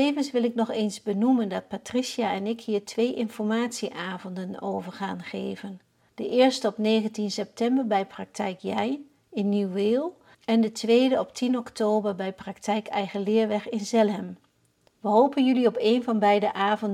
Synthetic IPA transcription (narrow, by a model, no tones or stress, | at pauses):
ejvənsʋɪlɪknɔχeːnzbənuməndɑt̚patrisjaɛnɪkhiːɹtʰʋejʔɪnfɔɹmaːtsiʔaːvɔndəno̰wvəɹχaːnχḛjvən | d̥əʔɪːɹstəɔpnejχəntinsɛp̚tɛmbəɹbɛjprɑk̚tʰɛjkjɛj | ɪnːyweːlˠ | ɛndətʋejdəɔptʰinɔktoːbəɹbɛjprɑktɛjkɛjχəlɪːɹʋɛχɪnzɛlɦɛm | ʋəɦowpənjʏliɔpejnvɑnbɛjdəʔaːvɔn